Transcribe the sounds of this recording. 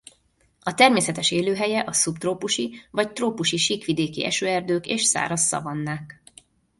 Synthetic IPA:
ɒt̪ɛrmeːsɛt̪ɛʃeːløːɦɛjɛʔɒsupt̪roːpuʃivɒct̪roːpuʃiʃiːkʋid̪eːkḭʔɛ̰ʃøːɛrd̪øːkḛːʃsa̰ːɾɒsːɒ̰vɒnːaːk

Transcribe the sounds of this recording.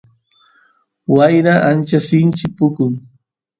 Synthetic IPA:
wajɾaʔant͡ʃasɪnt͡ʃɪk̚pʊkʊŋ

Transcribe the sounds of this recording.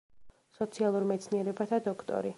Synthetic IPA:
sɔt̪sʰialˠuɾmɛt̪sʰniɛɾɛbat̪ʰad̪ɔkʰt̪ʼɔ̰ɾi

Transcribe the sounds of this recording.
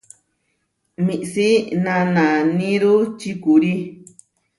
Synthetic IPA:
mĩʔsinãnãnĩɾut͡ʃikuɾi

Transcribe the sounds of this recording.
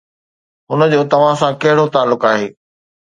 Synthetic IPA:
ɦʊnəd͡ʑoːt̪ɐʋ̤ãsãkɐɦɪɽot̪aːlːʊkaːɦeː

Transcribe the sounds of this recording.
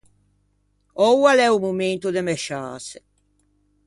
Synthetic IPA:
ɔwalɛumument̪ud̪emɛʃaːse

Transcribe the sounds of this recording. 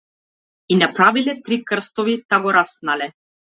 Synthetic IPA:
inapɾavilɛt̪ɾikr̩st̪ɔvit̪aɡɔɾast̪nalɛ

